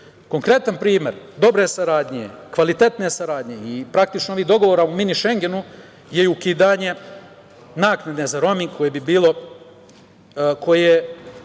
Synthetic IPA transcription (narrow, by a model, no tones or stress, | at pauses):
ko̞ŋkɾe̞t̪anpɾiːme̞̰ɾd̪o̞bɾe̞saɾaːd̪ɲekʋalit̪e̞t̪ne̞saɾaːd̪ɲeipɾakt̪it͡ʃnoo̞ʋiːɦd̪o̞ɡo̞ʋoːɾauminiʃe̞ŋɡe̞nu | je̞ukid̪aːɲe̞ | naːknad̪nezaɾo̞mikʰo̞jebibiːlˠo̞ | kʰo̞je